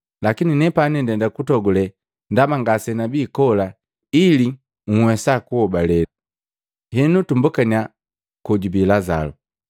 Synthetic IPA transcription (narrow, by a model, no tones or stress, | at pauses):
lakininɛpanɛndɛndakutɔɡulɛ | ndamaŋɡasɛnabikɔla | ili | ŋ̩wɛsakuhɔbalɛa | hɛnutumbukania | kɔɟubilaza̰lɔ